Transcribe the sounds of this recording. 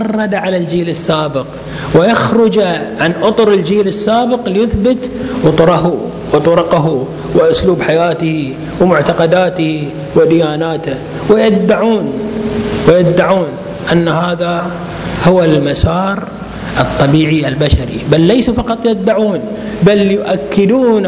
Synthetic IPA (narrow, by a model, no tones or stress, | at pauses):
ɑrˤːɑd̪aʕalald͡ʒiːlɪsːaːbɪq | wɪjaxɾʊd͡ʒʕanʔʊt̪ˤʊɾɪld͡ʒiːlɪsːaːbɪqlijɪθbɪt̪wɨt̪ˤʊɾˤɑɦu | wt̪ˤʊɾʊqaɦu | wɪʔʊsluːbħajaːt̪ɪh | wmʊʕt̪ɑqɑd̪aːt̪ɪhi | wɪd̪ɪjaːnaːt̪a | wɪjɪd̪ːaʕuːn | wɪjɪd̪ːaʕuːn | ʔanːahaːða | hʊwalmasɑːɾ | ʔɨt̪ˤːɑbiːʕiʔalbaʃaɾḭbalːaːsufɑqɑt̪ˤjɪd̪ːaʕuːn | baljʊʔakːɪd̪uːn